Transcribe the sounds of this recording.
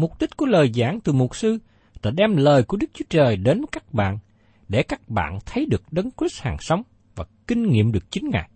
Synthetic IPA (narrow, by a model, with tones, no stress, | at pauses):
mʊ˨˩k͡p̚t̪i˦˥t̟̚ku˧˩ələː˨˩jza̰ː˧˩ŋt̪ɨ˨˩mʊ˨˩t̚sɨ˧ | laː˧˩ɗɛ˧mləː˨˩jku˧˩əɗɨ˦˥k̚t͡ɕu˦ət͡ɕəː˨˩jɗe˨˦nvkaː˦˥k̚ɓa̰ː˧˨n | ɗe˧˩kaː˦˥k̚ɓa̰ː˧˨nt̪ʰə˨˦jɗɨ˨˩ək̚ɗə˨˦nkwi˦˥t̚haː˨˩ŋsa˨˦wŋ͡m | vaː˨˩kï˧ŋ̟ŋḭ˧˨əmɗɨ˨˩ək̚t͡ɕï˨˦ŋ̟ŋa̰ː˧˨j